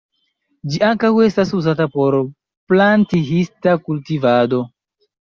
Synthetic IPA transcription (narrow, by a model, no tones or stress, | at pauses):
d͡ʒiʔaŋkawe̞stasuzatapo̞ɾ | plantiɦistakultivado̞